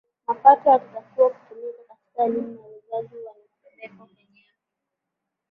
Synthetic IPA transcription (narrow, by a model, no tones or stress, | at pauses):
mapatɔjakutakuaku̥tumikakati̥kalimnawuzaziwanaupɛlɛkɔmɛɲɛ | ɔ